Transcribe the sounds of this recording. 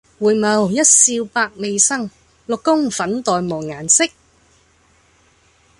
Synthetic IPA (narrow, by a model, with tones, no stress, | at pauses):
wuː˨jmɐ˨˧wjɐ˥t̚siː˧wpaː˧k̚me˨˧jsɐ˥ŋ | lʊ˨kːʊ˥ŋfɐ˨˥nt̪ɔː˨jmoː˨˩ŋŋaː˨˩nsɪ˥k̚